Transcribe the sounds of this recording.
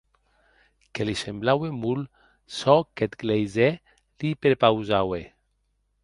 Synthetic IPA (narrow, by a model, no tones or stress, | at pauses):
kelisemblawemul | sɔket̪ɡlejzɛ | lipeɾpawzawe